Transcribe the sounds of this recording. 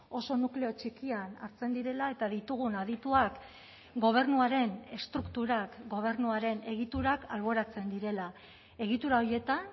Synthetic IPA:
o̞so̞nukle̞o̞t͡ʃikiana̰ɾt͡se̞nd̪iɾe̞lae̞t̪aðit̪uɣ̞unað̞it̪uak | ɡo̞β̞e̞ɾnuaɾe̞ne̞st̪ɾukt̪uɾakɡo̞β̞e̞rnuaɾe̞ne̞ɣ̞it̪uɾakalβo̞ɾat͡se̞nd̪iɾe̞la | e̞ɣ̞it̪uɾao̞ɾje̞t̪an

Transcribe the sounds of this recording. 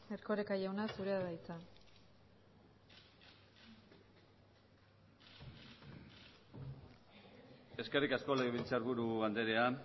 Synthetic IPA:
erkoɾekajawnasuɾeaðajt͡sa | eske̞rikasko̞leɣeβilt͡saɾβuɾuand̪eɾea

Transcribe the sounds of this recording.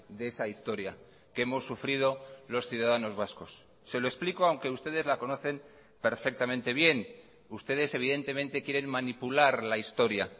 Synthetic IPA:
d̪eesaist̪o̞ɾja̰ | keemo̞sːufɾið̞o̞lo̞sθjuðaðano̞zβasko̞sː | e̞lo̞esplikoawŋke̞ust̪e̞ð̞e̞zlako̞no̞θe̞m | pe̞ɾfe̞k̚t̪amẽnt̪e̞β̞je̞n | ust̪e̞ð̞e̞se̞β̞iðe̞nt̪e̞ment̪e̞kje̞ɾe̞mmanipulaɾlaist̪o̞ɾja

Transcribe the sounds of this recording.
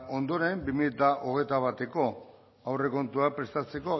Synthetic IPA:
o̞nd̪o̞ɾe̞mbimiʎet̪aʔoɣ̞e̞jt̪aβ̞at̪e̞ko̞ | awre̞ko̞nt̪uapɾe̞st̪at͡se̞ko̞

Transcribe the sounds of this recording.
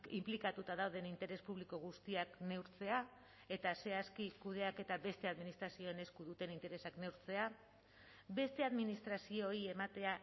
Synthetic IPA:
implikat̪ut̪að̞awð̞e̞nint̪e̞ɾe̞spuβ̞liko̞ɣ̞ust̪iakne̞wɾt͡se̞a | e̞t̪ase̞askikuð̞e̞ake̞t̪abe̞st̪e̞aðminist̪ɾasio̞ene̞skuðut̪e̞nint̪e̞ɾe̞sakne̞wɾt͡se̞a | be̞st̪e̞aðminist̪ɾasio̞ːie̞mat̪e̞a

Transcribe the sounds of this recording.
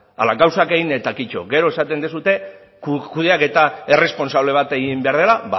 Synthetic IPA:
a̰laɣawsake̞ɣinet̪akit͡ʃo̞̰ɡe̞ɾo̞e̞sat̪e̞nd̪esut̪e̞ | kkuðeake̞t̪ae̞re̞spo̞nsaβ̞le̞β̞at̪e̞ɣimbe̞aɾð̞e̞laβa

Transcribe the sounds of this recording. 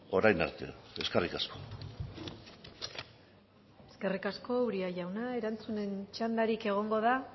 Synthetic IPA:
o̞ɾajna̰ɾt̪e̞̰eskerikasko̞ | e̞ske̞rikasko̞uɾiaʝawnae̞ɾant͡sune̞nt͡ʃand̪aɾike̞ɣ̞o̞ŋɡo̞ða

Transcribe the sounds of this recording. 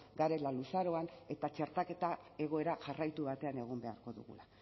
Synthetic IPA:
ɡaɾe̞lalusaɾo̞ane̞t̪at͡ʃe̞ɾt̪ake̞t̪ae̞ɣ̞o̞eɾaʝarajt̪uβat̪e̞ane̞ɣo̞mbe̞aɾko̞ðṵɣṵla

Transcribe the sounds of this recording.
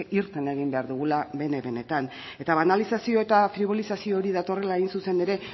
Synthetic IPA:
iɾt̪ene̞ɣ̞imbe̞aɾðuɣ̞ulaβe̞ne̞βe̞ne̞t̪an | e̞t̪aβanalisasio̞e̞t̪afɾiβ̞o̞lisasio̞ːɾiðat̪o̞re̞laeɣinsuse̞ne̞ɾe̞

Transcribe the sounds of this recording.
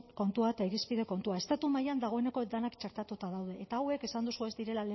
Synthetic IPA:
ko̞nt̪uaet̪aiɾispið̞e̞ko̞nt̪uae̞st̪at̪umajand̪aɣ̞o̞e̞ne̞ko̞d̪anakt͡ʃaɾt̪at̪ut̪að̞awð̞e̞ʔːt̪aːwe̞ke̞sand̪usuezd̪iɾe̞lale

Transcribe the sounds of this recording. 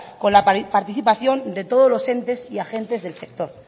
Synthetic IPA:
ko̞nlappaɾt̪iθipaθjo̞nd̪e̞t̪o̞ð̞ozlo̞se̞nt̪e̞siaxe̞nt̪e̞zðe̞lse̞k̚t̪o̞ɾ

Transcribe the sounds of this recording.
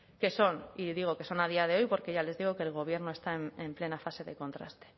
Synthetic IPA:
ke̞so̞niðiɣ̞o̞ke̞so̞nað̞iað̞e̞o̞jpo̞ɾke̞ʝale̞zðiɣ̞o̞ke̞ːlɣ̞o̞β̞je̞ɾnoe̞st̪aememple̞nafaseðe̞ko̞nt̪ɾa̰st̪e

